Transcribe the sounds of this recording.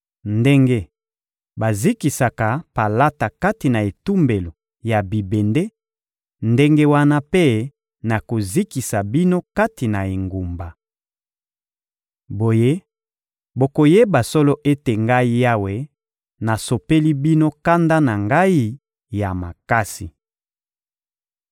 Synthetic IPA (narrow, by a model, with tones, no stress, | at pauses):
nde˦ŋɡe˦ | ba˨zi˦ki˨sa˨ka˨pa˨la˦ta˨ka˦ti˨na˨e˨tu˦mbe˨lo˨ | ja˨bi˨be˨nde˦ | nde˦ŋɡe˦wa˦na˦pe˦ | na˨ko˨zi˦ki˨sa˨bi˦no˦ka˦ti˨na˨e˨ŋɡu˨mba˨ | bo˨je˦ | bo˨ko˨je˦ba˨sɔ˦lo˦ʔe˦te˨ŋɡa˦i˦ja˦we˨ | na˨so˨pe˦li˦bi˦no˦ka˦nda˦na˨ŋɡa˦i˦ | ja˨ma̰˨ka˦si˨